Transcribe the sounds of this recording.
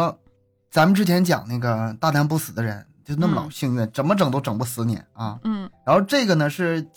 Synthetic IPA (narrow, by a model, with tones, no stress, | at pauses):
t͡sa˧˥mə˧nʈ͡ʂɻ̩˥t͡ɕʰjɛ˧˥nt͡ɕjɑ̰˨˩ŋna˥˩ɡə˩t̪a˥˩na˧˥np̬u˥˩sɹ̩˨˩d̪ə˦ɻə˧˥nt͡ɕjo˥˧ʊna˥˩ə˩lɑ̰˨˩ʊɕi˥˧ŋɥɛ˥˩nʈ͡ʂə˨˩nmə˧ʈ͡ʂɤ˨˩ŋt̪o˥ʊʈ͡ʂɤ˨˩ŋpu˥˩sɹ̩˧˥njɛ̰˧˥˦nɐ˥˧˥ɻa˧˥nxo˥˧ʊʈ͡ʂɤ˥˩ɡə˩nə˩ʂɻ̩˥˩˧